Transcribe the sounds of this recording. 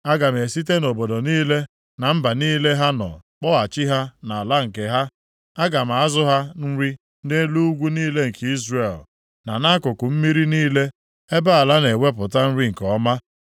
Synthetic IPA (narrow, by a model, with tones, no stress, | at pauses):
a˦ɡa˨m̩˨e˨si˦t̬e˦no˨bo˨do˨niː˦le˦ | na˨m̩˦ba˨niː˦le˦ɦa˦nɔ̰˨k͡pɔ˦a˨t͡ʃɪ˦ɦa˦na˨a˨la˦ŋ̩˨ke˨ɦa˦ | a˦ɡa˨m̩˨a˦zʊ˦ɦa˦n̩˦ɾi˦ | n̩˦de˦lu˦u˦ɡʷu˦niː˦le˦ŋ̩˨ki˦zre˨l | na˨na˦kʊ˨kʊ˨m̩˦mi˦ɾi˦niː˦le˦ | e˦ba˦a˨la˦ne˨we˦p̬ʊ˨ta˦n̩˦ɾi˦ŋ̩˨kɔ˨˦ma˦